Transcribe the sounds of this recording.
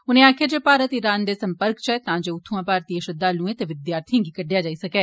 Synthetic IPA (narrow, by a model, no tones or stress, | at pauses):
ʊnẽːaːkʰjaːd͡ʒeːpaːɾət̪ɪɾaːnd̪eːsə̃mpəɾkt͡ʃɛːt̪ãːd͡ʒeːʊt̪ʰːuãːpaːɾt̪iːəʃəd̪aːlũːɛ̃ːt̪eʋɪd̪jaːɾt̪ʰijãːɡiːkəɖjaːd͡ʒaːisəkɛː